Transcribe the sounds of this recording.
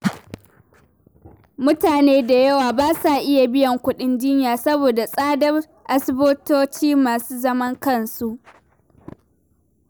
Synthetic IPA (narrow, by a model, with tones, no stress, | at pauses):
mʊ˦taː˨neː˦da˨jɐ˦waː˨baː˦sa˨ʔɪ˦ja˨bɪ˦jɐ˨ŋkʷʊ˦ɗɪ˦nd͡ʒɪ˦ɲjaː˨sɐ˦boː˨da˨sʼaː˦dɐ˦r | ʔa˨sɪ˦bʊ˦toː˦t͡ʃiː˦maː˨suː˦zɐ˦mɐ˦ŋkɐ˦˨nsu˦ʔ